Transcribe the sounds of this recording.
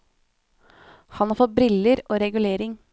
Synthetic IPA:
hɑnhɑːfɔt̪̚bɾɪləɾoːɾɛɡʉleːɾɪŋ

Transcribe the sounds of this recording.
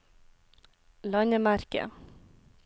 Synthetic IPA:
lɑɲəmæɾkə̰

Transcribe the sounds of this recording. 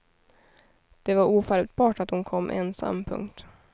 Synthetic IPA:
d̪̥ɛvaɾuːfaɾt̪̚bɑːʈat̪hʊnkʰɔmːʔɛ̰nsa̰mːpʰɵ̰ŋkt̪

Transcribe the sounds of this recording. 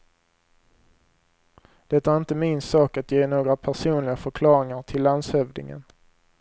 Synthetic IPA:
d̪̥ɛt̪ːæɾɪnt̪əmɪnsɑːkat̪jeːnoːɡɾapʰæʂuːnlɪɡafœɾkʰlɑːɾɪŋaʈʰɪlːand̪shœvd̪ɪ̰ŋə̰n

